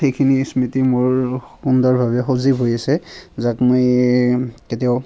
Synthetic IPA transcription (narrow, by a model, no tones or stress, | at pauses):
xejkʰinismitimʊɹxundɔɹbʱabɛxozibɦojasɛzakmoj | ketiɔ